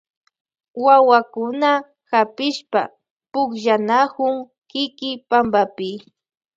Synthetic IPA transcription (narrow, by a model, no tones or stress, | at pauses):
wawakʊna | xapɪʃpa̰ | pʊkʒanakʊŋ | kɪkɪpambapɪ